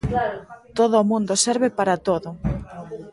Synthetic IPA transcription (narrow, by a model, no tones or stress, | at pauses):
t̪oðoːmũnd̪osɛɾβɪpaɾat̪oðʊ